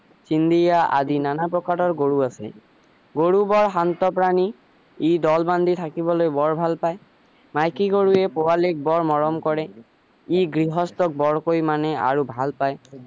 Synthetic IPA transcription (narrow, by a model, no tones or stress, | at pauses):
sind̪ijaʔa̰dinanapɹɔkaɾɔɹɡoɹuasɛ̰ | ɡoɹubɔɹɦant̪ɔpɹani | idɔlband̪ʱit̪ʰakibɔlojbɔɹbʱalpaj | majkiɡoɹuɛpɔalek̚bɔɹmɔɹɔmkɔɹɛ | iɡɹiɦɔstɔk̚bɔɹkojmanɛa̰ɹubʱalpaj